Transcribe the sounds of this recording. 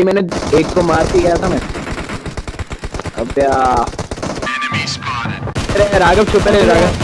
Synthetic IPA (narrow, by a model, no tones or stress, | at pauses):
imɛ̃ːneeːkːomaːɾkikɐjat̪ʰamɛ̃ː | ɐ̰bjaː | ɾeɾaːɡɐbt͡ʃʰʊpeɾeɾaːɡɐb